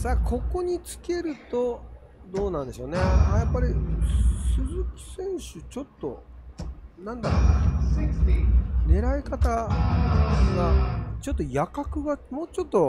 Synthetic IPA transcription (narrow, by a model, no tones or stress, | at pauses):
saːkʰo̞ko̞ɲ̟it͡sɨ̥ke̞ɾɯ̟t̪o̞ | d̪o̞ːnãnd̪e̞ɕo̞ːneajapːaɾʲi | sɨzɨkʲi̥sẽ̞ɰ̃ɕɨt͡ɕo̞t̪ːo̞ | nãnd̪aɾo̰na | ne̞ɾaikat̪a | ɡat͡ɕo̞t̪ːo̞jakakɯ̟ɡamo̞ːt͡ɕo̞t̪ːo̞